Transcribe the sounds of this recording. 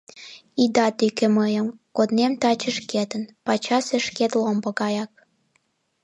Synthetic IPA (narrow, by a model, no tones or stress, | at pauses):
id̪ɑt̪ykeməjəmkod̪nemt̪ɑt͡ɕəʃket̪ənpɑt͡ɕɑseʃket̪lombə̆kɑjɑk̚